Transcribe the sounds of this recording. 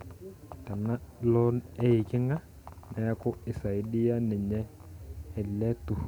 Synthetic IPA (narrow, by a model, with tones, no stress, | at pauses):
ta˨na˦lɔ˦ɛ˦ɪ˨kɪ˦ŋa˦ | nɛ˨a˦kʊ˦ɪ˨sa˨i˨di˦ja˦nɛ˨ɲɛ˦ | ɛ˨lɛ˦tʊ˨